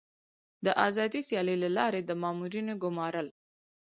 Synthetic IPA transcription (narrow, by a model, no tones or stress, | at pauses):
d̪əʔɑzɑd̪isjɑləjlalɑɾed̪əmɑmuɾinoɡʊmɑɾəl